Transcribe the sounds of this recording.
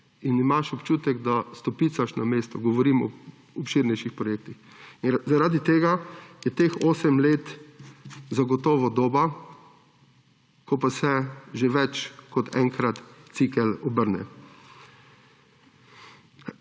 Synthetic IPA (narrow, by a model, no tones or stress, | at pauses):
inimaʃɔpt͡ʃuːt̪ɛɡd̪ast̪ɔpit̪saʃnameːst̪ɔɡɔʋɔɾimɔ̰ | ɔpʃiɾnɛjʃixpɾɔjek̚t̪ix | izaɾaːd̪it̪eːɡajɛt̪eːxoːsɛmleːt̪ | zaɡɔt̪ɔːʋɔd̪oːba | kɔpasɛʒeʋɛt͡ʃkɔt̪ʰɛ̰ŋkɾat̪t̪sikɛlɔbəɾnɛ̰